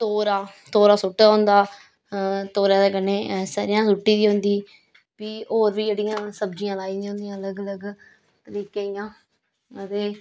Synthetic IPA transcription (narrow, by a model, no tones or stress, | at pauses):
t̪oːɾaːt̪oːɾaːsʊʈːaːɦõnd̪aː | t̪oːɾjãːd̪eːkəneːsa̰ːɾɪjãːsʊʈːiːd̪iːɦʊ̃nd̪iː | piːoːɾbiːd͡ʒeːɽɪjãːsəbd͡ʒɪjãːlaːiːd̪iõːnd̪ijãːələɡələɡ | t̪əɾiːkeːijãː | ət̪eː